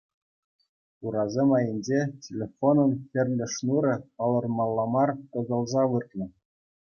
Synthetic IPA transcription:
uɾɑzʲemɑjɘ̆nʲd͡ʑetʲelʲefonɤ̆nxʲɘ̆rʲlʲɘ̆ʂnuɾʲɤ̆pɑlˠɤ̆rmɑlˠːɑmɑrkɤ̆zɤ̆lˠzɑʋɯt̪lʲɤ̆

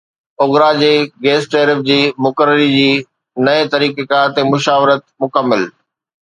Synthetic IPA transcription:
ʊɣɾad͡ʑeːɡeːsʈeːɾɪfd͡ʑiːmʊkəɾəɾid͡ʑiː | nɐet̪ɐɾiːkekat̪emʊʃaːʋɾət̪mʊkəmːɪl

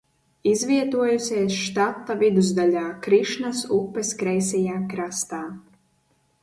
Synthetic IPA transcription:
izvʲiɛt̪uɔjusʲiɛsʃt̪at̪ːavid̪uzd̪alʲaːkɾiʃnasupːɛskɾɛjsʲɛjaːkɾast̪aː

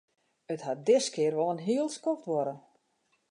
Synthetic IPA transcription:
ətɦat̚dɪskɪərʋɔlˠənɦiəlˠskɔftʋɔɾən

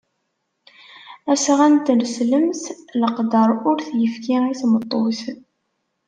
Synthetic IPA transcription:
æsʁænt̪nsləmθləqd̪əɾˤʊɾθjəfkiiθmət̪ˤːoθ

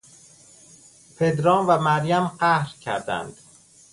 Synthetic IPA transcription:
pʰe̞d̪ɾɒːnvæmæɾjæmɢæhɾcʰæ̰ɾd̪æ̰nd̪̥

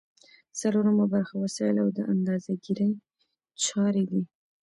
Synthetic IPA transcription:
saloɾamabaɾxawasɑjəlawd̪əʔand̪ɑzaɡiɾəj | t͡ʃɑɾed̪i

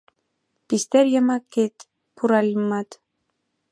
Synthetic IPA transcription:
pist̪eɾjəmɑkːet̪ | puɾɑlʲmɑt̪

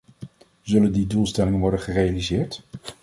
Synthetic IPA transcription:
zɵləndidulˠstɛlɪŋənʋɔɹdəχərejalizɪːɹt

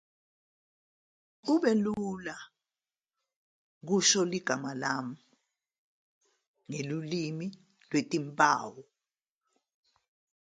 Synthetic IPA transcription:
uɓɛlula | k̬uʃɔliɡ̥ʱamalam̩ | ŋelulimi | lwetʼimpʼa̰ːwɔ

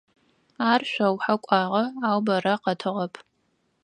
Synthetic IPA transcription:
aːrʃʷɐwħakʷʼɑːʁɐaːwbɐɾɐqɐtʰɨʁɐpʰ

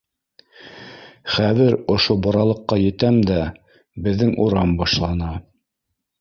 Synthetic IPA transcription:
χæðɘɾŏʃobɑɾɑlˠɤ̆qːɑjɘ̆t̪æmd̪æ | bɘ̆ðːɘŋuɾɑmbɑʃlˠɑnɑ

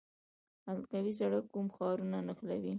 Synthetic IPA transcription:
alkawis̬aɽəkːumxɑɾunanəxlawi

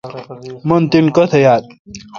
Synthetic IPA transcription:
mɐnt̪inkɐt̪ʰɐjaːt̪̚

